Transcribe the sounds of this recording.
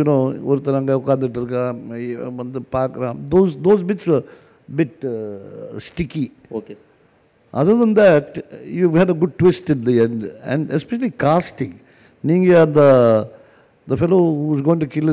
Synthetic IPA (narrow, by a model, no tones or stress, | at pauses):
junoːɔɾt̪əɾãŋɡaʊkãnd̪əɖəɾka | nd̪əpaːkɾãmd̪oːzd̪oːzbɪʈsʋəɾ | bɪʈ | sʈɪki | oke | ʔa̰d̪əd̪ə̃nd̪æʈjuhæɖəɡʊɖ̚ʈwɪsʈɪ̃nd̪iɛ̃ɳɖɛ̰̃ɳɖɛspɛʃəlikasʈɪ̃ŋ | nĩŋɡiad̪ə | d̪əfɛloːhuzɡoːɪ̃ŋʈukɪl